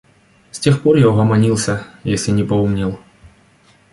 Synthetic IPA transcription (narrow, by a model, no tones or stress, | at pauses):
sʲtʲe̞xporjaʊɦɐmɐnʲilˠsʲəjesʲlʲɪnʲɪpɐumnʲɪlˠ